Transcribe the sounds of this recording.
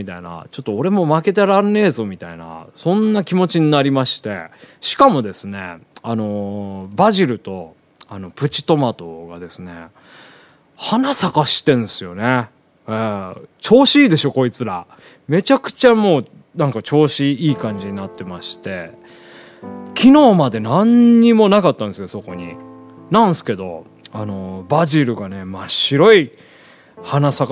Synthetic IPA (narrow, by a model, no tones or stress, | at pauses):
it̪aina̰t͡ɕo̞t̪ːo̞ːɾe̞mo̞make̞t̪̬eɾãnːe̞ːzo̞mʲit̪aina̰sõ̞nːakʲimo̞t͡ɕiɲ̟inaɾʲimaɕi̥t̪e̞̰ɕi̥kamo̞d̪e̞sɨne̞̰ano̞baʑiɾɯ̟t̪o̞ | ano̞pɯ̟t͡ɕi̥t̪o̞mat̪o̞ɡad̪e̞sɨne̞ | hanasakaɕi̥t̪ẽ̞ñsɨjo̞ne̞ | et͡ɕo̞ːɕiːd̪e̞ɕo̞ko̞it͡sɨɾa | me̞t͡ɕakɯ̟̥t͡ɕamo̞ː | nãŋkat͡ɕo̞ːɕiiːkãɲ̟d͡ʑiɲ̟inat̪ːe̞maɕi̥t̪e̞ | kʲʰino̞ːmad̪e̞nãɲːɲimo̞nakat̪ːãnd̪esɨjoso̞ko̞ɲ̟ḭ | nãñsɨ̥ke̞d̪o̞ | ano̞baʑiɾɯ̟ɡane̞maɕiɾo̞i | hanasak